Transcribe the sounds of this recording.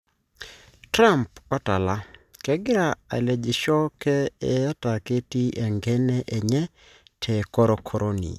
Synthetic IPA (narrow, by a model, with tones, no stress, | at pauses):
tɾa˦˨mpɔ˦ta˨la˦kɛ˦ɡɪ˦ɾa˨a̰˨lɛ˨d͡ʒɪ˨ʃɔ˦kɛ˦ɛ˨a˦ta˨ke˦ti˦ʔɛ˨ŋɡɛ˦nɛ˦ʔɛ˨ɲɛ˦ | tʰɛ˨kɔ˦ɾɔ˨kʰɔ˦ɾʔo˦nḭ˨